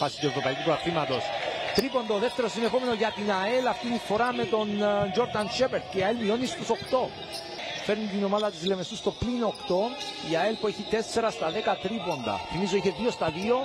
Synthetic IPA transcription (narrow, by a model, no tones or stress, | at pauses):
fasi̥t̪ue̞vɾopɐjkupoɐθimɐt̪o̞st̪ɾipo̞nd̪oðeft̪eɾosinexome̞noʝɐt̪inɐelɐft̪it̪ifo̞ɾamet̪o̞nd͡ʒo̞ɾd̪ɐnʃepeɾd̪̚ceiɐelmio̞nist̪uso̞kt̪o̞ | feɾnit̪ino̞maðɐt̪islemesust̪oplinokt̪o̞iɐelpueçit̪ese̞ɾɐst̪ɐðekɐt̪ɾipo̞nd̪ɐ̰fimizoiçe̞ðio̞st̪ɐðio̞